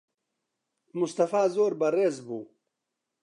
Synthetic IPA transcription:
must̪ɐfaːzoːɾbɐɾeːzbuː

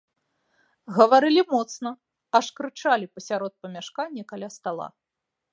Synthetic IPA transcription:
ɣɐvaɾɨlʲimɔt̪snɐ | ɐʂkɾɨt͡ʂalʲipɐsʲaɾɔt̪̚pɐmʲaʂkanʲːɐkalʲast̪alˠa̰

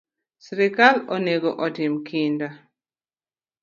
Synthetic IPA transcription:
sɾɪkaloneɡoʔɔtɪmkʰɪnda

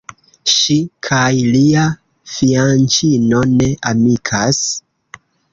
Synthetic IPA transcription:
ʃikʰajlia | fiant͡ʃino̞ne̞ʔamikʰas

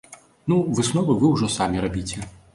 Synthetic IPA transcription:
nuvɨsnɔvɨvɨwʐɔsamʲiɾabʲit͡sʲɛ

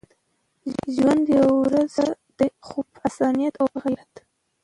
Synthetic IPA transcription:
ʒwand̪jaawɾazad̪̥əxubasanijat̪awaɣajat̪

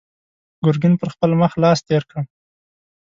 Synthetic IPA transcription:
ɡʊɾɡɪnpəɾxpəlməxlɑst̪eɾkɽə

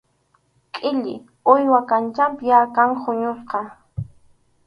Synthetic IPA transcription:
kʼɪʎɪ̰ | ʊjwakant͡ʃampɪjakaŋχʊɲʊsqɑ

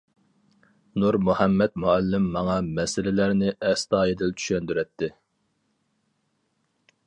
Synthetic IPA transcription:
nuɾmuhɛmːɛt̪muælːɪmːɑŋɑmɛsɪlɪlæɾnɪʔɛst̪ɑːed̪ɪlt͡ʃʰy̥ʃɛnd̪yɾɛt̪ʰːɪ

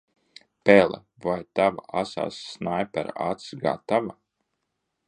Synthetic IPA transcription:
pɛlˠɛ̰ | vajt̪ava̰ʔasa̰ːsːnajpaɾa̰t̪sɡa̰ːt̪ava

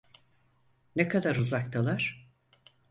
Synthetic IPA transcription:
nekʰad̪aɾuzak̚t̪ʰalˠaɾ̥

